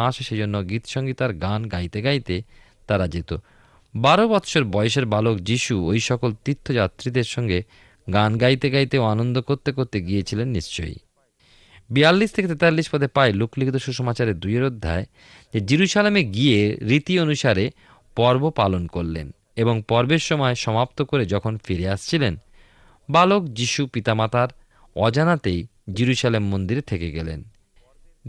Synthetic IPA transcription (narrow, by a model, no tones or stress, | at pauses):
aʃeʃed͡ʑonːoɡit̪ʃɔŋɡit̪aɾɡanɡajt̪eɡajt̪e | t̪aɾad͡ʑet̪o | baɾobɔt̪ʃʰoɾbɔjoʃeɾbalokd͡ʑiʃuojʃɔkolt̪it̪ʰːod͡ʑat̪ɾid̪eɾʃɔŋɡe | ɡanɡajt̪eɡajt̪eoanond̪okoɾt̪ekoɾt̪eɡijet͡ɕʰilenːiʃt͡ɕo̰j | bijalːist̪ʰeket̪et̪alːiʃpɔd̪ʰepaelukʰlikt̪oʃuʃɔmat͡ɕaɾeɾd̪ujeɾod̪ʱːa̰e | d͡ʑed͡ʑiɾuʃalemeɡieɾit̪ionuʃaɾe | pɔɾbopalonkoɾlḛn | eboŋpɔɾbeɾʃɔmɔeʃɔmap̚t̪okoɾed͡ʑɔkʰonfiɾeaʃt͡ɕʰilen | balokd͡ʑiʃupit̪amat̪aɾ | ɔd͡ʑanat̪ej | d͡ʑiɾuʃalemːond̪iɾet̪ʰekeɡɛ̰lḛn